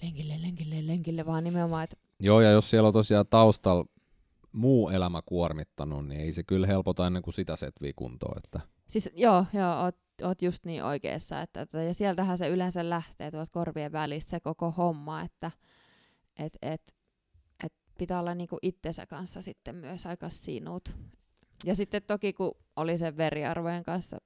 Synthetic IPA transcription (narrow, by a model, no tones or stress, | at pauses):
leŋkilːeleŋkilːeleŋkilːeʋɑːnimeomɑːet̪ | joːjɑjossielːot̪osiɑt̪ɑust̪ɑl | muːelæmækuormit̪ːɑnunnḭeisekylhelpot̪ɑenːeŋkusit̪æset̪ʋḭːkṵnt̪o̰ːḛt̪ːæ | sisjoːjoːoːt̪ | oːt̪just̪niːʔo̰ikḛisːɑ̰ːet̪ːæt̪ot̪ɑjɑsiælt̪æhæseylensællæht̪eːt̪uɑlt̪̚korʋieʋʋælist̪sekokohomːɑet̪ːæ | ʔet̪et̪ | ʔet̪̚ | pit̪æolːɑnniːŋkuʔit̪ːensæ̰kɑnsːɑsit̪ːemmyøsɑikɑssḭnut̪ | jɑsit̪ːet̪t̪okiku | oliseʋʋeriɑ̰rʋojeŋkɑnsːɑ̰